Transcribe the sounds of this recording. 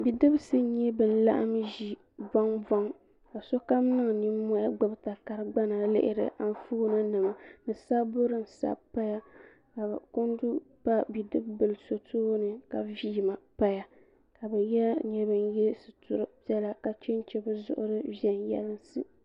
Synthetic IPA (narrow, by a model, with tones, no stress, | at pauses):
bi˨dɨ˦bsɨ˦ɲɛ˦bɨ˨n̩˦la̰˦ʔa̰˦mʒi˨ | ba˦ŋba˦ŋ | ka˨so˦ka˦m˦nɨ˦ŋ˨ni˦mɔ˦ja˦ɡ͡bʊ˦bta˨ka˨ɾɨ˦ɡ͡ba˦na˨lɪ̰˦ʔɪ̰˦ɾɨ̰˨ʔa˨n˦fu˦ɡna˦nɨ˨ma˨nɨ˨sa˦bo˦ɾɨ˦n̩˨sa̰˦˨pa˦ja˦ | ka˨ko˦n˦du˦ | pa˦bi˨dɨ˦bbɨ˨lso˨tʰoː˦nɨ˨ka˨viː˦˨ma˨pa˦ja˨ | ka˨bɛ˨jɛ˦ɲɛ˦bɨ˨njɛ˦sɨ˨tʊ˨ɾɨ˦pjɛ˦la˦ka˨t͡ʃe˦n˦t͡ʃɛ˦bɨ˦zʊ̰˦ʔʊ̰˦ɾɨ˦vi˦ɛ˦njɛ̰˦lɨ˦n˦sɨ˦